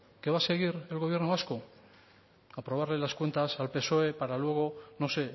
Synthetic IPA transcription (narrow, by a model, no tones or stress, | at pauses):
ke̞βase̞ɣ̞iɾe̞lɣoβje̞ɾnoβasko̞ | apɾo̞β̞aɾlelaskwent̪asalpe̞so̞e̞paɾalwe̞ɣ̞o̞no̞se̞